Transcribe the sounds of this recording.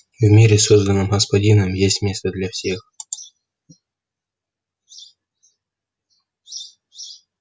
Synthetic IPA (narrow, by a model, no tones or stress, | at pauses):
vʲmʲeɾʲɪsozd̪ənɨmɣəspɐdʲinəmjesʲmʲest̪əd̪lʲafsʲe̞x